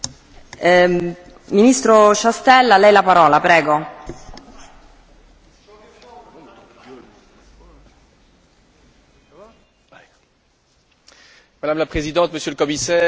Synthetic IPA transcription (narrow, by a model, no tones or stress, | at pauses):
minist̪ɾoʃast̪ɛlːalɛjlapaɾɔːlapɾɛːɡo | mad̪amlapχezid̪ɑ̃t̪məsjøləkɔmisɛː